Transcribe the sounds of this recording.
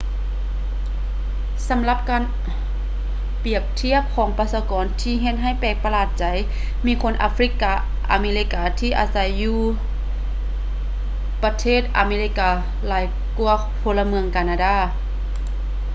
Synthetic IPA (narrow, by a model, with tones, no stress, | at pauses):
sa˨˦mla˧p̚kaː˧n | pi˨˩əp̚t̪ʰi˧˥˩əp̚kʰɔː˩˦ŋpa˧saː˧˦kɔː˨˧˦nt̪ʰiː˧ɦe˧t̪̚ɦa˧˥˩jpɛː˧˩k̚pa˧laː˧˩t̪̚t͡ɕa˨˦j | miː˧˥˨kʰo˧˥˨nʔa̰˧fɾi˧˩kːa˧ | ʔa̰˨˧meː˧li˧˥kːaː˧t̪ʰiː˧˩ʔa̰ː˨˧˦sa˨˦jːuː˧ | pa˧t̪ʰeː˥˩t̪̚ʔa̰˧meː˧li˧kːaː˧ | laː˨˦j | ku˧ɐ | pʰo˧lːa˧mɯ˧əŋkaː˧naː˧daː˧˩